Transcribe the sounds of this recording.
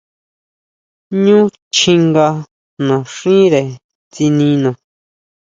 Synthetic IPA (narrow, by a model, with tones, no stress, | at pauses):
ɲũ˦ | t͡ʃĩ˧ŋɡa˧ | nã˨ʂĩː˦ɾe˨ | t͡si˧nĩ˧˦nã˨